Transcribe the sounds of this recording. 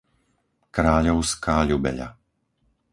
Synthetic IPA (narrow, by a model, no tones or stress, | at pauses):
kɾaːʎɔʊskaːʎubɛ̰ʎa̰